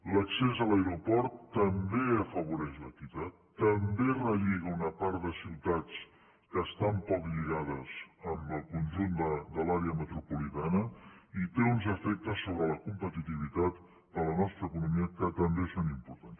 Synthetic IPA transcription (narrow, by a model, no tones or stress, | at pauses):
ləksezələeɾupɔɾt̪ːəmbeəfəβ̞uɾɛʃlət̪iwt̪at̪ːəmberəʎiɣ̞əunəpaɾd̪əsiwt̪at͡s | kəːst̪ampɔkʎiɣaðəzəmbəlˠkunʲʒund̪əd̪əlaɾeəmət̪ɾupulit̪anəit̪eunzəfɛk̚t̪əsːoβɾələkumpət̪it̪iβ̞it̪at̪ | d̪ələnɔst̪ɾəːkunumiəkət̪əmbesonimpuɾt̪ans